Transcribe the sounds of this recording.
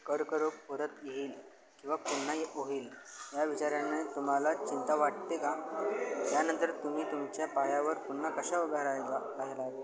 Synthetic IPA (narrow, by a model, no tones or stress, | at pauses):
kəɾkəɾoppəɾət̪jeɦiːl | kĩw̃ʋapuɳːajeʔoɦiːlɦjaʋit͡ɕaɾjanet̪um̤alat͡ɕint̪aʋaʈt̪eka | janənt̪əɾt̪um̤iːt̪umt͡ɕjapajaʋəɾpuɳːakəɕaoɡʱaɾajla | aɦelae